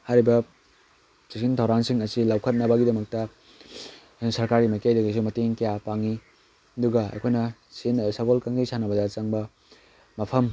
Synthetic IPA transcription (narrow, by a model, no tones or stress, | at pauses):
haɾibɐ | sikintʰɐwɾansiŋɐsilawkʰɐt̚nɐbɐɡidɐmɐk̚tɐ | sɐɾkaɾɡimajkajdɐɡis̬imɐteŋkɐjapaŋi | ɐduɡɐɐ̰kʰojnɐsinsaɡolkaŋɡijsanɐbɐdɐt͡ʃɐŋbɐ | mɐpʰɐm